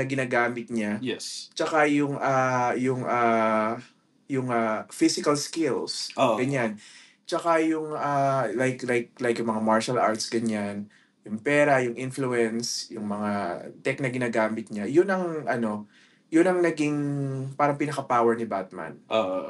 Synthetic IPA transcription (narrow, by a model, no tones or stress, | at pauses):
ɐɡɪnaːɡaːmɪt̪̚ɲajɛst͡ʃɐkajʊŋajʊŋʔaː | jʊŋafisɪkɐlskɪlsoɡɐɲan | t͡ʃɐkajʊŋʔalajklajk̚lajkjʊŋmɐŋamaɹʃɐlʔa̰ɹt̪sɡɐɲan | jʊŋpɛːɾɐjʊŋʔɪnfluɛnsjʊŋmɐŋat̪ɛk̚nɐɡɪnaːɡaːmɪt̪̚ɲajʊnɐŋʔɐno̞ | jʊnɐŋnɐɡɪŋpaːɾɐŋpɪnɐkɐpaːwɛɹnɪbat̪̚ma̰nʔoʔ